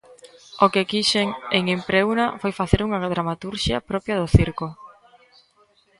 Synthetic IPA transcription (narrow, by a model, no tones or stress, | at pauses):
okekiʃeŋeŋempɾewnafojfaθeɾuŋaðɾamat̪uɾʃjɐ̰pɾɔpjɐðʊθiɾkʊ